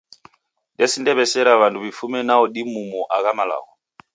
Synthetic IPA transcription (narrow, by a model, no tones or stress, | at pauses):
ndɛsindɛβɛsɛɾaβanduβifumɛnaɔɗimumɔʔakamala̰ːɣɔ